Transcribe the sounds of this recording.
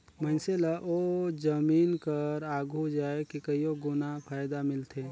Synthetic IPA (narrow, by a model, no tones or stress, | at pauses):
mənselaʔod͡ʒɐmiːnkəɾaːɡʱud͡ʒaːekikɐioɡʊnapʰaːjd̪amɪlt̪ʰeː